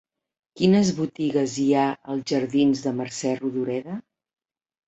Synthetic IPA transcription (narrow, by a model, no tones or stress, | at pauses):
kinəzβut̪iɣəziaəlˠzʒəɾðinzðəmərsɛruðuɾɛðə